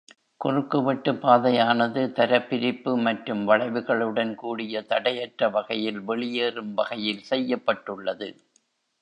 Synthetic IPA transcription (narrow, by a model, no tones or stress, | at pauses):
kʊrɯkːɯʋɐʈːɯpaːðɐjaːnɐðɯt̪ɐɾɐpːɪɾɪpːɯmɐʈrɯmʋɐɭɐɪʋɯɣɐɭɯɽɐnkuːɽɪjɐt̪ɐɽɐjɐʈrɐʋɐɣɐjɪlʋɛɭɪjeːrɯmʋɐɣɐjɪlsɛjːɐpːɐʈːɯɭːɐðɯ